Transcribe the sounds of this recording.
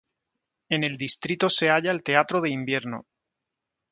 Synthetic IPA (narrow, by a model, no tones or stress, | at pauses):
e̞ne̞ld̪ist̪ɾit̪ose̞aʎaelt̪e̞at̪ɾoðe̞imbje̞ɾno̰